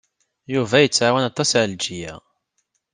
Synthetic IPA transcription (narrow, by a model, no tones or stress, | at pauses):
juvæjət͡sːʕawænɑt̪ˤːɑsʕld͡ʒijæ̰